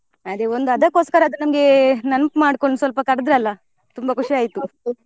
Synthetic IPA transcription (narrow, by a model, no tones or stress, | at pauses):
ɐd̪e̞ond̪uɐd̪ɐkːoskɐɾɐːd̪unɐmɐɡe̞nɐnpmaːɽkoɳɖusʋɐlpɐkɐɽɐd̪ɾeɐlːɐ | t̪umbɐkuʂiaːjt̪u